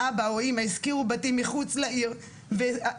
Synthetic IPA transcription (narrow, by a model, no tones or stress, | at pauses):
abaoimaiskiʁubatimːiχut͡slaiʁ | ve